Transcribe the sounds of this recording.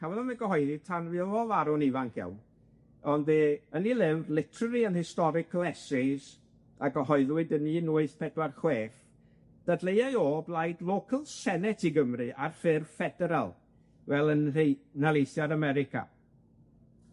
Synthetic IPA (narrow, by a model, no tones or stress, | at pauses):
hʰavɛlɔnmɛɡəɦɔɨðitʰanvɪɔvaɾɔnivaŋkʰjɛ̰wn | ɔndðeːənilˠɪvrlˠɪtʰrəɾiənhɪstɔɾɪkʰlˠɛsɪz | aɡəɦɔɨðwɪdəninuːɨθpʰɛdwarχweːf | d̥adlˠejajoːblˠajdlˠoːkʰəlˠsɛnɛtʰiɡəmrɨʔarfɪrfɛdɛɾa̰lˠ | vɛlˠənrejnalejθjadamɛɾɪkʰa̰